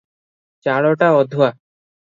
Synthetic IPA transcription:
t͡ɕaɽɔʈaɔd̪ʱua

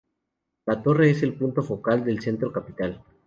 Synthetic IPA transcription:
lat̪o̞re̞ese̞lpunt̪o̞fo̞kald̪e̞lse̞nt̪ɾo̞kapit̪al

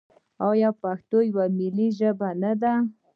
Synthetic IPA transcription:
ajapaxt̪ojwamɪliʒəbanad̪a

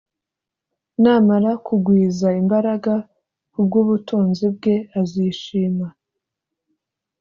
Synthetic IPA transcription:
naːmaɾakuɡwiːzaimbaɾaɡa | kub̚ɡuːβutuːnzib̚ɡe̞aziʃiːma

